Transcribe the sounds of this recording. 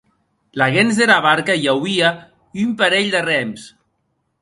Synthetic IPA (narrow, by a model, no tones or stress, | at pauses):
laɣenzðeɾaβaɾkajawia | ympaɾeʎd̪erɛms